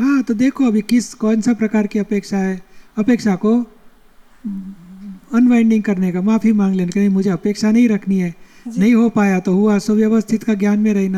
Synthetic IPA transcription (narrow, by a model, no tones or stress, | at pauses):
ɦãːt̪od̪eːkʰoɐbʱikɪskɔ̃ːnsapɾɐkaːɾkiɐpeːkʃaɦɛɐpeːkʃako | ɐnʋaɪ̃ɳɖɪ̃ŋɡ̚kɐɾnekamaːpʰimãːŋɡleːnkenĩmʊd͡ʒʱeɐpeːkʃanɐɦĩɾɐkʰniɦɛːnɐɦĩɦopaːjat̪oɦʊasoʋjɐʋəst̪ʰɪt̪kaɡjaːnmẽɾɐɦna